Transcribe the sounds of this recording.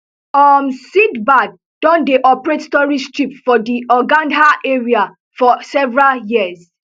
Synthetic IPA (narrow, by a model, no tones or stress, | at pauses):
ɔmsidbad̚ | d̥ɔ̃ndeʔɔpɹetstɔɹid͡ʒtipfɔdiɔɡãndaʔeɹia | fɔsɛvɹaljiəz